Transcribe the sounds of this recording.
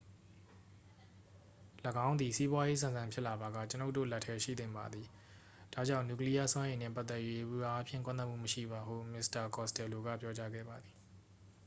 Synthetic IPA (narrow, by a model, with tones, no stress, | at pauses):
ləɡã˦ʊ̃nd̪i˨si˦bwa˦je˦sã˨nzã˨mpʰjɪ˦ʔla˨ba˨ɡä̰˦˨t͡ɕəno˦ʊtːo̰˦˨lɛ˦tʰːɛ˦ʃḭ˦˨d̪ɪ̃˦˨mba˨d̪ði˨ | d̥a̰˦˨d͡ʑã˦˨ʊ̃nju˨kli˦ja˦˨swã˦jẽ˨nɛ˦˨pa˦t̪ɛ˦ʔjɥe˦ʔu˨a˨a˦pʰjɪ̰̃˦˨ŋkwã˦˨na˦ʔ̚mṵ˦˨məʃḭ˦˨ba˨ɦṵ˦˨mɪ˦sta˨kɔ˨stɛ˨lo˨ɡa̰˦˨pjɔ˦t͡ɕa˦ɡɛ̰˦˨ba˨d̪ði˨